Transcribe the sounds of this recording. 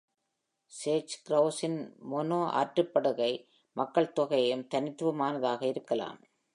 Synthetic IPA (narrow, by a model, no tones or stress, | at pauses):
seːt͡ʃkɾɐʊsɪnmɔnoːʔa̰ːʈrɯpːɐɽɯɣɐɪ | mɐkːɐɭt̪ɔɣɐjɯmt̪ɐnɪt̪ːɯʋɐmaːnɐðaːɣɐɪɾɯkːɐla̰ːm